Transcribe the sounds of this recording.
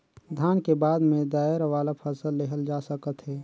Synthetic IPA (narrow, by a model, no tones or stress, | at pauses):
d̪ʱjaːnkebaːd̪mẽd̪aːɪɾʋaːlapʰəsəlːeɦəld͡ʒaːsəkət̪ɦɛː